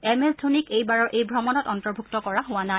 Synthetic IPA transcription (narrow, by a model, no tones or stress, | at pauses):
ɛmɛltʰunikejbaɹɔɹʔejbʱɹɔmɔnɔtɔntɔɹbʱuk̚tɔkɔɹaɦʊwana